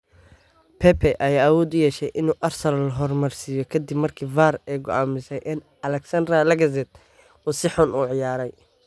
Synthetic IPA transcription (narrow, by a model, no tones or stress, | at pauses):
pʰɛpʰɛʔɐjaːawɔːd̪ʊjɛːʃɛjʔɪnuːʔɐrsɐlɐlɐɦɔrmɐrsijɔkʰɐd̪ibmɐrkʰiːbfaːɾɛːɡɔaːmɪsɛjʔɪn | ɐlɛksɐnd̪ɾɐlɐɡɐz̬ɛd̪̚ | uːsɪħʊnuːʕɪjaːɾɛj